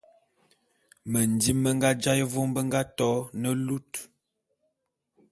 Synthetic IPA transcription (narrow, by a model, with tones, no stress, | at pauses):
mə˨n˨di˦mːə˦ŋɡa˦d͡ʒa˦jə˦vo˦mbə˦ŋɡa˦tɔ˦nə˦lu˦t